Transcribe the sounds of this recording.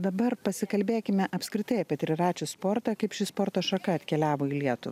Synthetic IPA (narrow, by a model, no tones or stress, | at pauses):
d̪ɐbɐɾpɐsʲɪkɐlʲbʲeːkʲɪmʲɛʔɐpʲskɾʲɪt̪ɐɪɐpʲɛt̪ʲɾʲɪɾɑːt͡ʃʲʊspoɾt̪ɑːkɐɪpʃʲɪspɔɾt̪oːʃɐkɐɐt̪ʲkʲɛlʲæːʋoːiːlʲiɛt̪ʊʋ